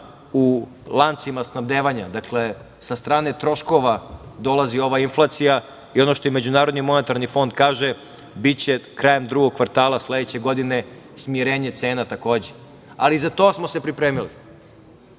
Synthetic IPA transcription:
u | lˠant̪simasnaʋd̪eːʋaɲad̪akle | sast̪ɾaːne̞t̪ɾo̞ʃko̞ʋad̪o̞lazio̞ʋainflˠat̪sija | io̞no̞ʃt̪ojme̞d͡ʑunaːɾo̞d̪nimo̞ne̞t̪aɾnifo̞nd̪kaːʒe | bit͡ɕe̞kɾaːje̞md̪ɾuɡoɡ̚kʋaɾt̪aːlˠasle̞d̪et͡ɕe̞ɡo̞d̪ine̞ | smiɾeːɲe̞t̪se̞ːnat̪ako̞ːd͡ʑe | alizat̪o̞ːsmo̞se̞pɾipɾeːmili

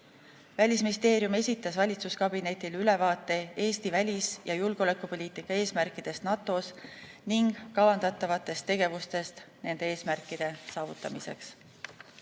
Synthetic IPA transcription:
vælʲisminist̪e̞ːɾjume̞sʲit̪ˑːɑsvɑlʲit̪suskɑbine̞t̪ːˑilyle̞vɑːt̪ːˑe̞e̞ːst̪ivælʲisjɑjulɡ̥o̞lekːˑupo̞lʲiːt̪ːˑikːˑɑe̞ːsmærkˑid̪̥e̞st̪nɑt̪ːˑo̞s | niŋɡ̥kːɑvɑnd̪̥ɑt̪ːˑɑvɑt̪ːˑe̞st̪ːe̞ɡe̞vust̪e̞st̪ne̞nd̪̥e̞e̞ːsmærkːˑid̪̥e̞sɑːvut̪ːˑɑmise̞̰ks

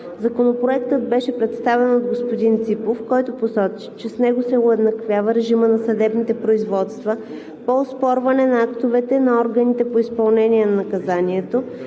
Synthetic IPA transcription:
zɐkonopɾoɛkt̪əd̪̚bɛʃɛpɾɛt̪st̪avɛnod̪ɡospod̪int̪sipofkɔjt̪oposɔt͡ʃi̥t͡ʃɛsnɛɡosɛʊɛd̪nɐkvʲjavəɾɛʒimənɐsɐd̪ɛbnit̪ɛpɾoizvɔt̪st̪və | poːspɔɾvɐnɛnɐakt̪ovɛt̪ɛnɐɔɾɡɐnit̪ɛpoispɐlˠnɛnʲiɛnɐnɐkɐzaniɛt̪o

